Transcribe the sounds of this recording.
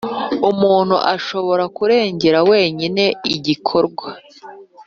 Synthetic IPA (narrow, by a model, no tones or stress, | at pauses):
umuːn̥hṵʔaʃo̞βo̞ɾakuɾe̞ːɲɟe̞ɾawe̞ːɲine̞iɟikʰo̞ɾɡwa